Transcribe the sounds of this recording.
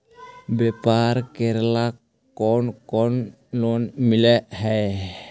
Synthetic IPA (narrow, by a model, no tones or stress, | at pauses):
bepaɾkeɾlakː | ɔnkɔn | lonmileʔhae